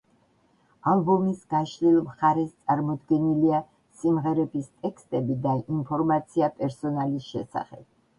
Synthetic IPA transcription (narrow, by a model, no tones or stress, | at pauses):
ambɔmisɡ̥aʃlilˠmχaɾɛst̪sʼaɾmɔd̪ɡɛnilia | simʁɛɾɛbist̪ʼɛkst̪ʼɛbid̪aʔinpʰɔɾmat̪sʰiapʼɛɾsɔnalisʃɛsa̰χɛ̰b̥̚